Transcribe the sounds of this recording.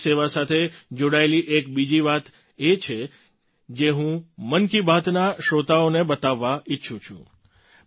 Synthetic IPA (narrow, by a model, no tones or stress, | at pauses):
seʋasat̪ʰed͡ʒoɽaeliʔekbid͡ʒiʋat̪ | et͡ʃʰe | d͡ʒeɦũmənkibʱat̪naʃot̪aonebət̪aʋːaʔɪtːʃʰũt͡ʃʰṵ̃